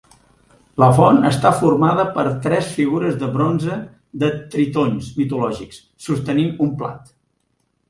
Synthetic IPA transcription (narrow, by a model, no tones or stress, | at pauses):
ləfɔnəst̪afurmað̞əpəɾt̪ɾɛsfiɣuɾəzðəβɾonzə | ðət̪ɾit̪onsmit̪ulɔʒiks | sust̪ənimumpla̰t̪